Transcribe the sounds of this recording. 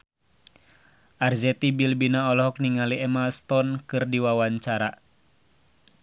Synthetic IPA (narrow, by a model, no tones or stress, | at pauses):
ʔarzɛt̪ibilbinaɔlɔɦɔk̚niŋaliɛmalst̪ɔnkɨrdiwawaɲt͡ʃaɾa